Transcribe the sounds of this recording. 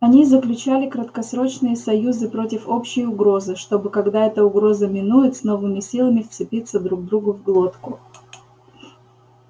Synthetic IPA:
ɐnʲizəklʲʉt͡ɕalʲɪkɾət̪kɐsɾo̞t͡ɕnɨjəsɐjuzɨpɾotʲɪfo̞pɕːɪjʊɡɾo̞zɨʂt̪o̞bɨkɐɡd̪aɛt̪əʊɡɾo̞zəmʲɪnujɪt̪sno̞vɨmʲɪsʲilˠəmʲɪft̪sɨpʲit̪sːəd̪ɾuɡ̚d̪ɾuɡʊvɡlˠo̞t̪kʊ

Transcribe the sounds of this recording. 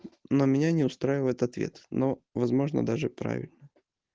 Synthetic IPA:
nomʲɪnʲanʲɪʊst̪ɾaɪvəjɪt̪ɐt̪vʲḛt̪novɐzmo̞ʐnə̰d̪aʐɨpɾa̰vʲɪ̰lʲnə

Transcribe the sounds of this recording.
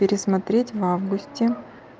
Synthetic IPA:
pʲɪɾʲɪsmɐt̪ɾʲetʲvavɡʊsʲtʲɪ

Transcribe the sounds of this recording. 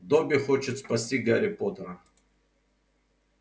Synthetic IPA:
d̪obʲɪxot͡ɕɪt̪spɐsʲtʲiɡaɾʲɪpot̪əɾə

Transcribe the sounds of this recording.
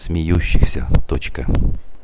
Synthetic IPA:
sʲmʲɪjuɕːɪxsʲə̰t̪ot͡ɕkə

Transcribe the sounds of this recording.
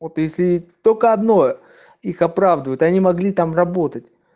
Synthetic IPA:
vot̪jesʲlʲɪt̪olʲkəɐd̪no̞ | ixɐpɾavd̪əvəjʊt̪ɐnʲimɐɡlʲit̪amrɐbo̞t̪ətʲ

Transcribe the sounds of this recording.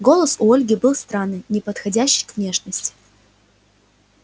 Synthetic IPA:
ɡo̞lˠəsʊolʲɡʲɪbɨlˠst̪ɾanːɨnʲɪpət̪xɐdʲæɕːɪ̥jkvnʲe̞ʂnəsʲtʲɪ̥

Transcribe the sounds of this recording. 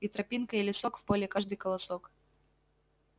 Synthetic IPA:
it̪ɾɐpʲinkəilʲɪsokfpolʲɪkaʐd̪ɨjkəlˠɐsok

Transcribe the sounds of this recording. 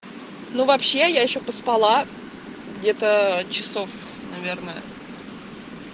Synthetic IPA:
nuvɐpɕːe̞jajɪɕːopəspɐlˠa | ɡdʲe̞t̪ət͡ɕɪso̞f | nɐvʲe̞rnəə

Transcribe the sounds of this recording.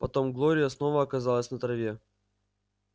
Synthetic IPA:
pɐt̪o̞mɡlˠoɾʲɪjəsno̞vəɐkɐzɑlˠəsʲnət̪ɾɐvʲe̞

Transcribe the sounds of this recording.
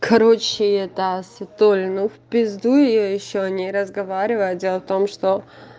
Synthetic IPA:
kʰɐɾot͡ɕːɪjɛt̪asɪt̪olʲnufpʲɪzd̪ujɪjojɪɕːoɐnʲiɾəzɡɐvaɾʲɪvəjt̪̚dʲe̞lˠəft̪o̞mʂt̪o

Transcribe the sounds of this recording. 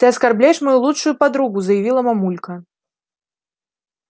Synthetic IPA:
t̪ɨɐskarblʲajɛʂmajulˠut͡ʂʂujupad̪ɾuɣuzɐjavʲilˠɐmamulʲkɐ

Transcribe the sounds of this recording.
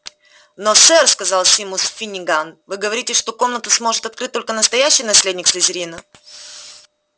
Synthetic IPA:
nosɛrskɐzɑlˠsʲɪmusfʲɪnʲɪɡanvɨɡəvɐɾʲitʲɪʂt̪o̞ko̞mnət̪ʊsmo̞ʐɨt̪ɐt̪kɾɨt̚t̪ːolʲkənəst̪ɐjæɕːɪjnɐsʲlʲedʲnʲɪksɪzʲɪɾʲinə

